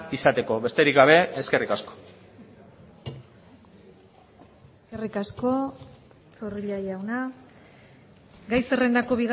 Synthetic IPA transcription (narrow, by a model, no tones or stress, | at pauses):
isat̪e̞ko̞βe̞st̪e̞ɾikɡaβ̞e̞eske̞rikasko̥ | eske̞rikasko̞ | t͡soriʎajawna | ɡajse̞re̞nd̪ako̞βiɣ